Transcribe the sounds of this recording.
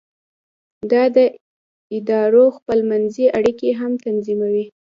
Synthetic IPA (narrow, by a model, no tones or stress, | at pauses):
d̪ɑd̪ə | ɪd̪ɑɾoxpəlmanziʔaɽikeɦamt̪anzimawi